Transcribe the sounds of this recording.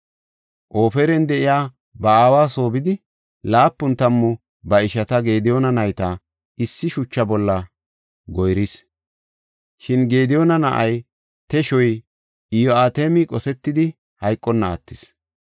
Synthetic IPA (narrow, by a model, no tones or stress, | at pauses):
ʔo̞ːfɛɾɛnd̪ɛʔɪjaː | bɐaːwaːso̞ːbɪd̪ɪ | laːpːʊnt̪ɐmːʊ | bɐɪʃɐt̪ɐɡe̞ːd̪ɪjonɐnɐjt̪ɐ | ɪsːɪʃʊt͡ʃːɐbɔlːɐ | ɡɔjɾis | ʃɪnɡe̞ːd̪ɪjonɐnɐʔɐj | t̪ɛʃɔj | ɪjɔaːt̪eːmɪkʼɔsɛt̪ːɪd̪ɪ | hɐjkʼːɔnːɐ̰ːt̪ːɪs